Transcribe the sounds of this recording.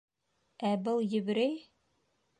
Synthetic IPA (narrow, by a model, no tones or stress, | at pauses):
æbɤlˠjɘ̆βɘ̆ɾɘj